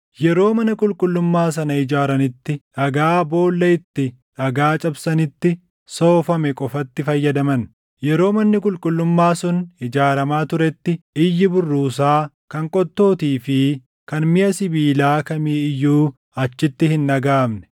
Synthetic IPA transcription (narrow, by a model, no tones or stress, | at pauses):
jɛɾo̞ːmɐnɐkʼʊlkʼʊlːʊmːaːs̬ɐnɐɪd͡ʒaːɾɐnɪt̪ːɪᶑɐɡaːbo̞ːlːɐɪt̪ːɪ | ᶑɐɡaːt͡ʃʼɐbsɐnɪt̪ːɪ | so̞ːfɐmɛkʼɔfɐt̪ːɪfɐjːɐd̪ɐmɐn | jɛɾo̞ːmɐnːɪkʼʊlkʼʊlːʊmːaːsʊnɪd͡ʒaːɾɐmaːt̪ʊɾɛt̪ːɪɪjːɪbʊrːuːs̬aː | kɐŋkʼɔt̪ːo̞ːt̪iːfɪ | kɐnmɪʔɐsɪbiːlaːkɐmiːɪjːuː | ɐt͡ʃːɪt̪ːɪhɪnːɐɡaːmnɛ̥